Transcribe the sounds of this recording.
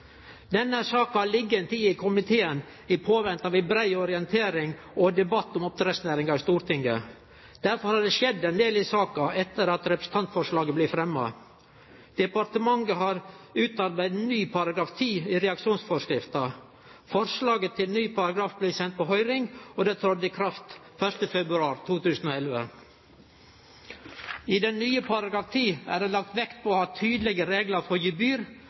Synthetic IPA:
d̪ɛnːəhæsɑːkɑhɑɭɪɡːəɛnt̪ʰiːɪkʰʊmɪt̪ʰeːən | ɪpʰoːʋɛnt̪ɑʋɪbɾæɪɔɾɪɛnt̪ʰeːɾɪŋ | ʔɔd̪ɛbɑt̪ːɔmɔp̚t̪ɾɛsnæːɾɪŋɡɑɪst̪uːɾt̪ɪŋɡə̰ | d̪̥æɾfɔɾhɑɖɛʂɛd̪ːɛnd̪eːlɪsɑːkɑɛt̪ːəɾɑt̪ɾɛpɾəsn̩t̪ɑnt̪fɔɾʂlɑːɡəblɪfɾɛmːɑ̰ | d̪̥ɛpɑɾʈ̪əmɑŋɡəɦɑɾʉːt̪ɑɾbæɪd̪nyːpʰɑɾɑɡɾɑːft̪ʰiːiɾɛɑkʂuːnsfɔʂkɾɪft̪ɑ | fɔɾʂlɑːɡət̪ʰːɪlnyːpʰɑɾɑɡɾɑːfblɪsɛnt̪̚pɔɦœʏɾɪŋɔd̪ɛːt̪ʰɑd̪ɪkʰɾɑft̪ | fœʂtəfɛbɾʉɑːɾt̪ʰuːt̪ʉːsn̩oːɛlʋə̰ | ɪd̪ɛnnyːəpʰɑɾɑɡɾɑːft̪ʰiːæ̰ɖeːlɑk̚t̪ʋɛkt̪̚pʰɔːhɑːt̪ʰyːd̪lɛɡəɾeːɡləfɔjibyːɾ

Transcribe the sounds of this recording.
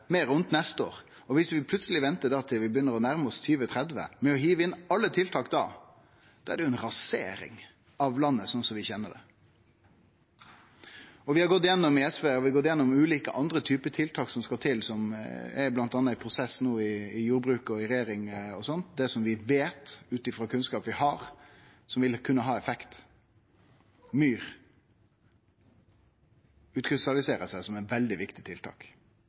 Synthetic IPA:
meːɾʉnt̪nɛst̪əo̰ːɾ | ɔʋɪsʋɪpʰlʉt̪səlɪʋɛnt̪əɖ̪ɑːt̪ʰɪlʋɪbəjʏnːəɾɔnæɾməɔst̪ʰyːʋət̪ʰɾɛd̪ʋə̰mɛɔɦiːʋəɪnːɑlːət̪ʰɪlt̪ʰɑːkd̪ɑ̰ː | sɔːæd̪ɛjʊɛnɾɑsḛːɾɪ̰ŋ | ɑʋlɑnːəsɔnsɔmʋɪçɛnːəɖ̪ɛ̰ | ɔʋɪhɑɾɡɔt̪ːɪjɛnːɔmɪɛsʋeːɔʋɪɡɔt̪ːjɛnːɔmʉːliːkə̰ʔɑnd̪ɾət̪ʰyːpət̪ʰɪlt̪ʰɑːksɔmskɑt̪ʰɪlsɔmɛ̰ɾblɑnt̪ɑnːəɪpʰɾʊsɛsːnuːɪɪjuːɾbɾʉːkɔɪɾɛjeːɾɪŋɔsɔnt̪d̪ɛsɔmʋɪʋeːt̪ʉːt̪ɪfɾɑːkʰʉnskɑːpʋɪhɑɾ | sɔmʋɪlkʰʉnːəɦɑːɛfɛkt̪ | myːɾ | ʉːt̪kʰɾɪst̪ɑlɪseːɾəsæsɔmɛʋɛld̪ɪʋɪkt̪ɪt̪ʰɪlt̪ʰɑ̰ːk

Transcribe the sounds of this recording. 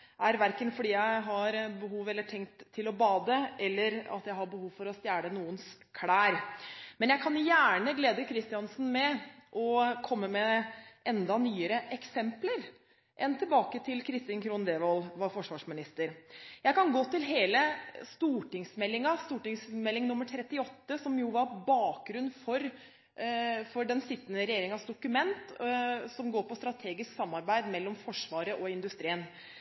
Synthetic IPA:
ʔæɾʋæɾkənfɔɖiːjæɪɦɑɾbəhuːʋɛlːəʈʰɛŋkt̪ʰːɪlɔbɑːd̪əɛlːəɾɑ̰t̪jæɪhɑɾbəhuːʋfɔɾɔst̪jæːɽənuːənskʰɽæːɾmɛnjæɪkʰɑnjæːɳəɡleːd̪əkʰɾɪst̪ɪɑnsn̩mɛʔɔkʰɔmːəmɛʔɛnd̪ɑnyːəɾəʔɛksɛmpləɾ | ʔɛnt̪ʰɪlbɑːkət̪ʰɪlkʰɾɪst̪ɪnkʰɾuːnd̪eːʋɑlʋɑɾfɔʂʋɑːʂmɪnɪst̪əɾjæɪkɑnɡoːt̪ɪlɦeːləst̪uːʈɪŋsmɛlːɪŋɑst̪uːʈɪŋsmɛlːɪŋnʊmːəɾʈ̪ʰɾɛt̪ːɪɔt̪ːəsɔmjʊʋɑɾbɑːk̚ɡɾʉnːfɔɾ | fɔɖɛnsɪt̪ːənəɾɛjeːɾɪŋɑsd̪ʊkʉmɛnt̪sɔmɡoːɾpɔst̪ɾɑt̪ʰeːɡɪsksɑmːɑɾbæɪd̪mɛlːɔmfɔʂʋɑːɾəʔɔɪnd̪ʉst̪ɾiːən

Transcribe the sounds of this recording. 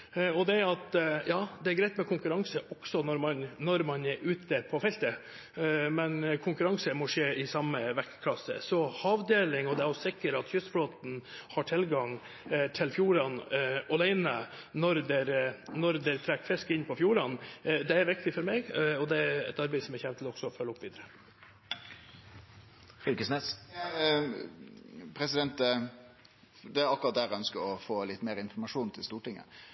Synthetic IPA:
ɔd̪ɛɾɑt̪jɑːd̪ɛæɾɡɾæɪt̪mɛkʰʊŋkʉɾɑŋsəʔɔksɔnɔɾmɑnnɔɾmɑnɛɾʉːt̪əpʰɔfɛlt̪ə | mɛnkʰʊŋkʉɾɑŋsəmɔʂeːɪsɑmːəʋækːkʰlɑsːə̰sɔhɑːʋd̪eːlɪŋɔd̪ɛæɾɔsɪkːəɾɑt̪çʏst̪fɽoːt̪n̩hɑʈʰɪlɡɑŋ | t̪ʰɪlfjuːɾɑnɔlæɪnə | nɔɾd̪ɛɾnɔɾd̪ɛɾt̪ʰɾækːfɾɪskɪnpʰɔfjuːɾɑnd̪ɛæɾʋɪk̚t̪ɪfɔɾmeːɡɔd̪ɛæɾɛ̰t̪ɑɾbɛɪsɔmɛɾçɛʋt̪ʰlɔɡsɔfœlːəɔpːʋiːd̪əɾə | fʏkəsneːs | pʰɾɛsɪd̪ɛnt̪ə | d̪ɛɑkːʊʁɑt̪̚d̪æːɾɛœnskəɾɔfoːlɪt̪ːmeːɾɪnfɔmɑʂuːnt̪ʰɪlst̪uːʈɪŋːə̰

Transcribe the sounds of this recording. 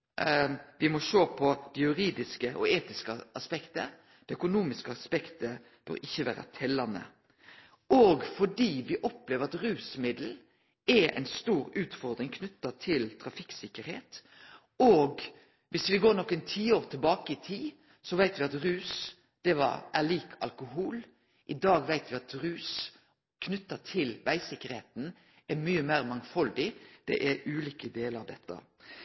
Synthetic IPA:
ʋɪmɔʃøːpʰɔd̪̥ɛjʉɾiːd̪ɪskəʔɔ̰eːt̪ɪskəɑspɛkt̪ə̰ | d̪̥ɛœkʊnuːmɪskəɑspɛkt̪ə | b̥ø̰ɾɪçːəʋæ̰ːɾə̰t̪ʰɛlːɑnə̰ | oɡfɔɖiːʋɪʔɔpleːʋəɾɑt̪ɾʉːsmɪd̪l̩ | ɛɛ̰ɪnst̪uːɾʉːt̪fɔɾd̪ɾɪŋkʰnʉt̪ːɑt̪ʰɪlt̪ʰɾɑfɪksɪkːəɾheːt̪ | oːɡ | ʋɪsʋɪɡoːɾnɔkːɛɪnt̪ʰiːoːɾt̪ʰɪlbɑːkəɪt̪ʰiː | sɔʋæɪt̪ʋɪɑt̪ɾʉːs | d̪̥ɛʋɑ̰ɾʔæɭiːkʰɑ̰lkʊɦuːl | ʔɪd̪ɑːɡʋæɪt̪ʋɪɑt̪ɾʉːs | kʰnʉt̪ːət̪ʰɪlʋæɪsɪkːəɾheːt̪n̩ | æɾmyːəmæɪɾmɑŋfɑld̪ɪd̪̥ɛ̰ʔɛʉːliːkəd̪eːləɾɑʋd̪ɛt̪ːə̰

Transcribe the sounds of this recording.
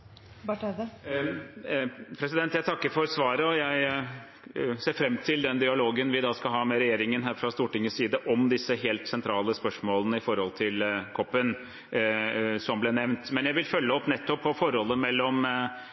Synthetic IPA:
bɑʈd̪ | pʰɾɛsɪd̪ɛnt̪jæɪt̪ʰɑkːəɾfɔɾsʋɑːɾəɔjæɪ | seːɾfɾɛmːt̪ʰɪld̪ɛnd̪ɪɑloːɡənʋɪd̪ɑːskɑɦɑːmɛɾɛjeːɾɪŋənɦæːɾfɾɑst̪uːʈɪŋːəsiːd̪əʔɔmd̪ɪsːəɦeːlt̪sɛnt̪ʰɾɑːləspœʂmoːlənəɪfɔɾhɔlt̪ʰɪlkʰɔpːən | sɔmblɛːnɛʋnt̪mɛnjæɪʋɪlfœlːəɔpːnɛt̪ːɔpʰːɔfɔɾhɔlːəmɛlːɔm

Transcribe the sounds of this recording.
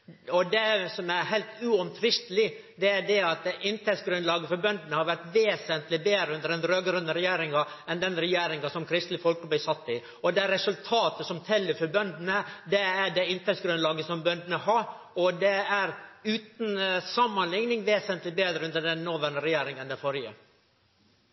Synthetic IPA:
ɔd̪ɛsɔmæɾɦɛɪlt̪ʉɔmt̪ʰɾɪst̪əlɪd̪ɛæɖɛɑt̪̚d̪ɛʔɪnt̪ʰɛsɡɾʉnlɑːɡəfɔɾbœnd̪ənəhɑɾʋæʈʋeːsənt̪lɪbeːd̪ɾəʉnd̪əɾd̪ɛnɾøːɡɾʉnːəɾɛjeːɾɪŋɑɛnd̪ɛnɾɛjeːɾɪŋɑsɔmkʰɾɪst̪lɪfɔlkəblɪsɑt̪ːɪ | ɔd̪ɛɾɛsʉlt̪ʰɑːt̪əsɔmt̪ʰɛlːəɾfɔbœnd̪ənəd̪ɛæɖɛɪnt̪ʰɛt̪sɡɾʉnlɑːɡəsɔmbœnd̪ənəɦɑɾ | ɔd̪ɛæɾʉːt̪n̩sɑmːɑnlɪŋnɪŋʋeːsənt̪lɪbeːd̪ɾəʉnd̪əɖɛnnɔːʋænəɾɛjeːɾɪŋənd̪ɛfɔɾjə̰

